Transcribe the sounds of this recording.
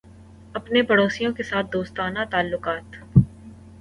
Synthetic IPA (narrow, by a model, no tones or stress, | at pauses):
ɐpnepɐɽoːsijõkesaːt̪̚d̪oːst̪aːnat̪aːlːʊqaːt̪